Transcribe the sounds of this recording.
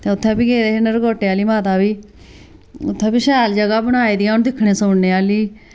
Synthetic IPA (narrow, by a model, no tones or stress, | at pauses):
t̪eːʊt̪ʰːɛ̃ːpiːɡeːd̪eːɦenəɾɡoːʈːeːaːliːmaːt̪aːbiː | ʊt̪ʰːɛ̃ːbiːʃɛːld͡ʒəɡaːbəɽ̃aːiːd̪iːaːɦʊñːd̪ɪkʰɳeːsʊɳneːaːliː